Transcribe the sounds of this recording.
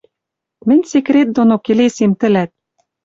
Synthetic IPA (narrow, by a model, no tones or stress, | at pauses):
mɘ̆nʲsekret̪̚d̪onokelesemt̪ɘ̆læt̪̚